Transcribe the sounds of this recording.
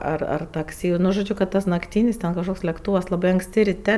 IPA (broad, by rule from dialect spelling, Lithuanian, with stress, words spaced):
ɐr ɐr tɐkˈsʲɪ nʊ ʒoːˈd͡ʒʲʊ kɐt nɐkˈtʲiːnʲɪs tʲɛn kɐʃˈkoːks lʲɛkˈtuːʋɐs lˠɐˈbɐɪ ɐŋkˈsʲtʲɪ rʲɪˈtʲɛ